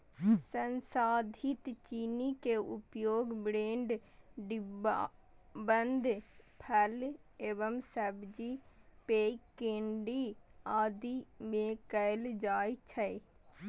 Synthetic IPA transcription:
sənsaːd̪ʱit̪t͡ʃinikeʊpjoːɡbɾeːɳɖɖ | bənd̪ʱpʰəl | eːʋəmsəbd͡ʒipeːkːeːɳɖiaːd̪imẽkəld͡ʒaːjt͡ʃʰəj

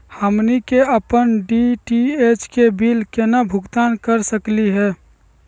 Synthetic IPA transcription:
həmnikeəpənɖiʈiet͡ʃkebilkenabʱʊɡt̪aːnkəɾsəkliɦɛː

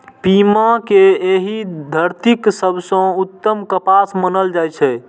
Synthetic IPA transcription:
pimakeeɦid̪ʱəɾt̪iksəbʱsə̃ut̪ːəmkəpasmənəld͡ʒajt͡ʃʰɛ

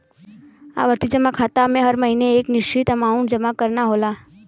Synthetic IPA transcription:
a̰ʋəɾt̪id͡ʒəmakʰat̪amẽɦəɾməɦineːknɪʃt͡ʃʰit̪əmauɳd͡ʒəmakəɾnaɦola

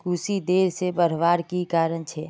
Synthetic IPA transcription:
kuːsid̪eːɾsebəɾʋaːɾkikaːɾənt͡ʃʰɛː

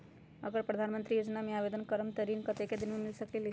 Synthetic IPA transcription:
əɡəɾpɾɐd̪ʱanmənt̪ɾijoːd͡ʒnamẽabed̪ənkəɾəmt̪əɾinkət̪eked̪ɪnmẽmɪlsəklili

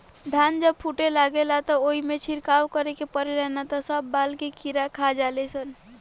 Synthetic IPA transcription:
d̪ʱand͡ʒəb̚pʰuʈelaɡelat̪ɔoimet͡ʃʰiɾkawkəɾekepəɾelɛnat̪ɔsəbːalkekʰiɾakʰad͡ʒalɛsən

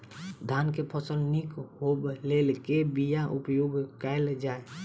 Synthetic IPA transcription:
d̪ʱaːnkepʰəsəlnikɦoblelkebijaʔʊpjoɡkɛɪld͡ʒaːe

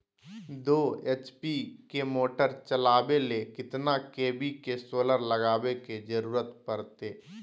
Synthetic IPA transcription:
d̪oːeːt͡ʃpikemoːʈəɾt͡ʃəlaːbelekɪt̪nakeːbikesoːləɾləɡaːweked͡ʒəɾuːɾət̪pəɾt̪eː

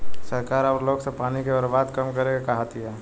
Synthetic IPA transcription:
səɾkaːɾaːɾloːɡsepaːnikebəɾbaːd̪kɐmkɐɾeɡakaɦat̪iɦɛː

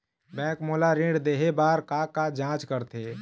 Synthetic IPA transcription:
bɛ̃ːkmoːlaɾĩɖd̪eːɦebaːɾkakad͡ʒãːt͡ʃkəɾt̪ʰeː

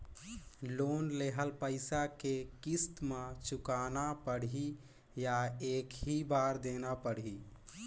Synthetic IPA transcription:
lonleɦəlpəɪsakekist̪mãt͡ʃukanapəɽi | jaeːkɦibaɾd̪enapəɽ̤i

